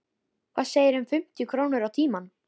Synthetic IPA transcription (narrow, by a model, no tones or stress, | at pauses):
kʰvaːðseːjɪɾʏnfʏm̥t̪jʏkʰɾownʏɾawt̪ʰiːman